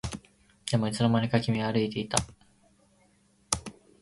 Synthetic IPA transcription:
d̪̥e̞mo̞it͡sɨno̞manʲekakʲimʲiaɾɯit̪e̞it̪a

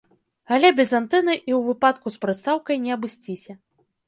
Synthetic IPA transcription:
alʲɛbʲɛzant̪ɛnɨʔiwvɨpat̪̚kuspɾɨt̪st̪awkɐjnʲɛɐbɨsʲt͡sʲisʲɐ

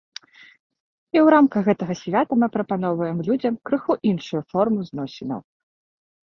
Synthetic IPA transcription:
iwɾamkɐxɣɛt̪ɐɣɐsʲvʲat̪ɐmɨpɾɐpan̪ɔvɐjɛmlʲud͡zʲɐmkɾɨxuʔinʂujufɔrmɨznɔsʲinɐ̰w

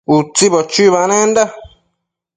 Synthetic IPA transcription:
ut͡siβot͡ʃiβanẽnd̪a

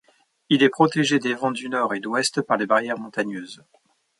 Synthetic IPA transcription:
ilɛpχɔt̪eʒed̪evɑ̃d̪ynɔʁed̪wɛst̪paʁlebaʁjɛʁmɔ̃t̪aɲøːz

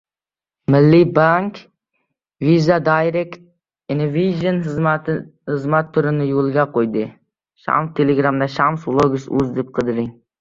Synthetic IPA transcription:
mɪlːɪbaŋk | vizad̪ajɾekt̪̚ | ɪnoviʒon | hɨzmat̪ʰːʊɾɪnɪjolˠɡʲaqʰojd̪ɪ | ʃa̰mst̪ʰeleɡɾamd̪aʃamsblˠoɡʊsɵ̰zd̪ep̚qʰɨd̪ɪɾɪŋ

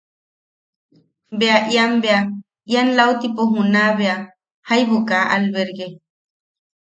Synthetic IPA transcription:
beaʔiambea | ianlaut̪ipoɦunaβea | hajβokaʔalβeɾɡe

